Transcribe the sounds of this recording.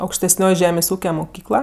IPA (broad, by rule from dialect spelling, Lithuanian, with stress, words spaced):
ɐʊkʃʲtʲɛsʲˈnʲoːj ˈʒʲæːmʲeːsʲ ˈuːkʲɛ mʊˈkʲiːklˠɐ